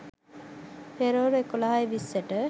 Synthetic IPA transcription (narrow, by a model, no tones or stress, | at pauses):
peɾoɾekulaɦajʋisːəʈə